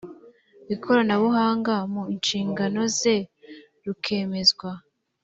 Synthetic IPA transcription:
βikʰo̞ɾanaβuɦaːŋɡamuinʃiːŋɡano̞ze̞ | ɾukʰe̞ːme̞zɡwa

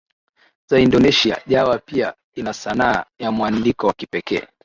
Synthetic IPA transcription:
zaindɔnɛʃia̰ʄawapia | inasanaa̰jamwandikɔwakipɛkɛ̰ː

